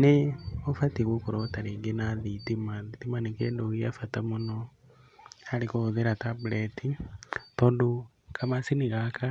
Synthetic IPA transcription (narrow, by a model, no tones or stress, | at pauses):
neofatiɣokoɾɔtaɾeŋɡenaðitimaðitimanekɛːndoɣiafatamonɔ | aɾikoðeɾatabulɛtitɔːndo | kʰamasiniɣaka